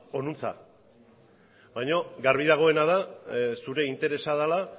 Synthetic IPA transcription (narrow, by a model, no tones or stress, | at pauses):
o̞nunt͡sa̰ | bajɲoɡaɾβiðaɣ̞o̞e̞nað̞asuɾe̞int̪e̞ɾe̞saðala